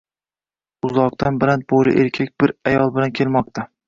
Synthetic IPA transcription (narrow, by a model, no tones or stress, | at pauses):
ʊzɒq̚t̪ʰanbɪɾan̚bolɪ̰ʔeɾkʲʰak̚ʲb̥ɪɾajɒlˠbɪlankʲʰe̞lmɒq̚t̪ʰa